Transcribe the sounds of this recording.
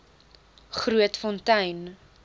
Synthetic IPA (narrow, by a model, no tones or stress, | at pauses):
χruətfɔntɛjn